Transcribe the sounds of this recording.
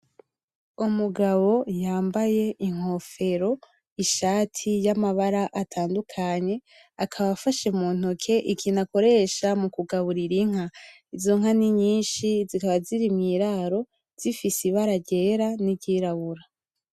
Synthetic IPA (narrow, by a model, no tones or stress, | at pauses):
umuɡaβo̞jaːmbaje̞ʔiŋ̥o̞fe̞ɾo̞ | iʃaːtʰijamaβaɾaʔatʰaːndukʰaɲe̞ | akʰaβafaʃemuːn̥okʰe̞ʔikʰinako̞ɾe̞ʃamukuɡaβuɾiɾiŋ̥a | izo̞ŋaniɲiːnʃizikaβaziɾimɲiɾaːɾo̞ | z̥ifisiβaɾaɟe̞ɾaniɟiːɾaβuɾa